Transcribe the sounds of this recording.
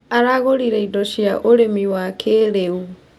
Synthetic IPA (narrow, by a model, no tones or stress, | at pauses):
aɾaɣoɾiɾejdɔsiaʔoɾemiwakʰeɾeu